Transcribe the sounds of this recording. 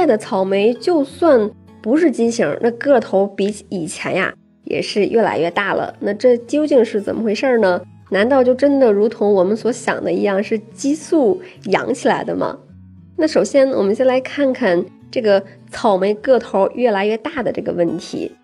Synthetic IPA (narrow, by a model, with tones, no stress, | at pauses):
a˥˩d̪ə˩t͡sʰɑ˨˩ʊme˧˥ɪt͡ɕjo˥˧ʊswa˥˩n | pu˧˥ʂɻ̩˥˩t͡ɕi˥nt͡ɕʰi˧˥ŋnʔa˥˧kɤ˥˩t̪ʰo˧˥ʊpi˧˥i˨˩t͡ɕʰjɛ̰˧˥nja̰˧ | jɛ̰˨˩ʂɻ̩˥˧ɥʔɛ˥˩la̰˧˥ɪɥɛ˥˧t̪a˥˩lə̰˩na˥˧ʈ͡ʂɤ˥˩t͡ɕjo˥ʊt͡ɕi˥˧ŋʂɻ̩˥˩t͡sə̰˨˩nmə˦xwe˥˧ɪʂə˞˥˩nə˩ | na˧˥nt̪ɑ˥˧ʊt͡ɕjo˥˩ʊʈ͡ʂə˥nd̪ə˨ɻu˧˥t̪ʰʊ˧˥ŋwɔ˨˩mə˦nswɔ˧˥ɕjɑ̰˨˩ŋd̪ə˦i˧˥jɑ˥˧ŋʂɻ̩˥˩t͡ɕi˥su˥˩jɑ̰˧˥ŋt͡ɕʰi˨la˧˥ɪd̪ə̰˧mɐ̰˩ | na˥˩ʂo˨˩ʊɕjɛ˥nwɔ̰˨˩mə˦nɕjɛ˥nla˧˥ɪkʰa˥˩nkʰa˥˩n | ʈ͡ʂɤ˥˩ɡə˩ | t͡sʰɑ˨˩ʊme˧˥ɪkɤ˥˩t̪ʰo˧˥ʊɥɛ˥˩la˧˥ɪɥɛ˥˧t̪a˥˩d̪ə˩ʈ͡ʂɤ˥˩ɡə̰˩wə˥˩nt̪ʰḭ˧˥